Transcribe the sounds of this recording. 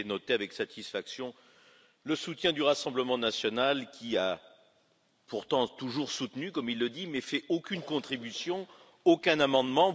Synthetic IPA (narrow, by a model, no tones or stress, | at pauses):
nɔt̪eavɛksat̪isfaksjɔ̃ | ləsut̪jɛ̃d̪yʁasɑ̃bləmɑ̃nasjɔnalkʲia | puʁt̪ɑ̃t̪uʒuʁsut̪nykɔmilːəd̪imɛfɛʔokʲynkɔ̃t̪χibysjɔ̃ | okɛ̃namɑ̃d̪mɑ̃